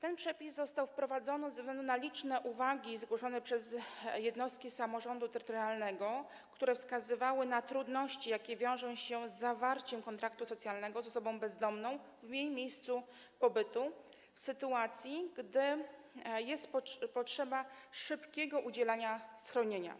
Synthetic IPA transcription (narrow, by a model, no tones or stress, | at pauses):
t̪ɛnpʂɛpʲizzːɔst̪awfpɾɔvad̪zɔnɘvzɛvɡlɛnd̪unalʲit͡ʂnɛʔuvaɡʲizɡwɔʂɔnɛpʂɛzjɛd̪nɔst̪̚kʲisamɔʐɔnd̪ut̪ɛɾɘt̪ɔɾalnɛɡɔ | kt̪uɾɛfskazɘvawɘnat̪ɾud̪nɔɕt͡ɕijakʲɛvʲjɔ̃w̃ʐɔ̃w̃ɕɛzːavaɾt͡ɕɛmkɔnt̪ɾakt̪usɔt̪sʲjalnɛɡɔzɔsɔbɔ̃w̃bɛzd̪ɔmnɔ̃w̃vmʲjejmʲjejst̪su | pɔbɘt̪u | fsɘt̪uat̪sʲjiɡd̪ɘ | jɛst̪pɔpɔtʂɛbaʂɘpkʲɛɡɔʔud͡ʑɛlaɲasxɾɔɲeɲa̰